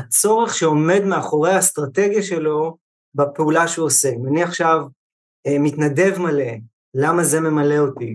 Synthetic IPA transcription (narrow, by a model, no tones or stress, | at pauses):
at͡so̞ʁe̞χʃeo̞me̞dme̞aχo̞ʁejhast̪ʁate̞ɡjaʃe̞lo̞ | bapeulaʃuosemaniaχʃav | emitnade̞vmale̞ | lamaze̞me̞male̞oti